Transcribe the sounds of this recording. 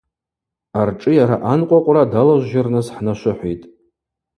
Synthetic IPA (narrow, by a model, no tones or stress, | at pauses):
arʈ͡ʂʼɨjaɾaʔanqʷʼaqʷʼradalaʒʷʒarnɨsħnaʃʷʊħʷijtʼ